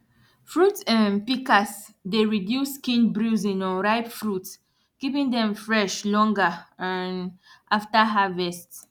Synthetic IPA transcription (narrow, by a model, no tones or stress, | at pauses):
fɹutsãnpikas | deɹidjuskĩnbɹuzĩnɔ̃nɹaɪpfɹut | kipĩŋdɛ̃mfɹɛʃlɔ̃ŋɡəãnʔaftaɦavɛst